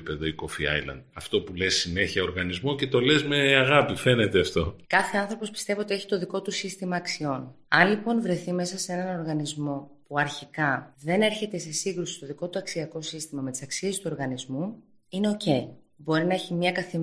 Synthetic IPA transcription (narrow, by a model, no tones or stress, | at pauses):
pe̞ðoikofiɐ̰jlɐ̰nd̪ɐft̪o̞pule̞sːine̞çiɐoɾɣɐnizmo̞ce̞t̪o̞le̞zmeɐɣɐpife̞ne̞t̪eɐft̪o̞kɐθe̞ɐnθɾo̞po̞spi̥st̪e̞vio̞t̪ie̞çi̥t̪o̞ðiko̞t̪usist̪imɐːksio̞n | ɐnlipo̞nvɾe̞θime̞sɐsee̞nɐno̞ɾɣɐnizmo̞puɐɾçikɐðe̞ne̞ɾçe̞t̪e̞se̞siŋɡɾusist̪o̞ðiko̞t̪uɐksiɐko̞sist̪imɐme̞t̪i̥sɐksie̞st̪uo̞ɾɣɐnizmu | ine̞o̞ce̞i | bo̞ɾinɐeçimɲɐkɐθi